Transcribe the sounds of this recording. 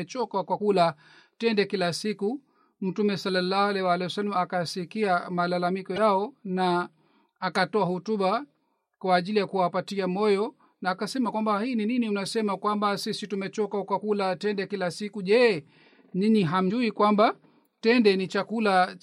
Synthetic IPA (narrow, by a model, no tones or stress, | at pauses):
t͡ʃɔkakwakula | tɛndɛkilasiku | m̩tumɛsalːalːahalɛwaalɛwasalmaakasikiamalalamikɔjaɔnaː | katɔahɔtuɓa | kwaːʄilijakuwapatiamɔjɔ | naːkasɛmakwambahiːnininiunasɛmakwambasisitumɛt͡ʃɔkakwakulatɛndɛkilasikuʄɛː | niniɦam̩ʄuikwamba | tɛndɛnit͡ʃakula